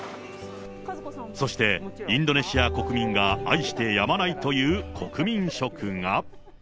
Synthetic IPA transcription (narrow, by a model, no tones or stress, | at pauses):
so̞ɕi̥t̪e̞ĩnd̪o̞ne̞ɕiako̞kɯ̟mʲĩŋɡaaiɕi̥t̪e̞jamanait̪o̞jɯ̟ːkʰo̞kɯ̟mʲĩɰ̃ɕo̞kɯŋa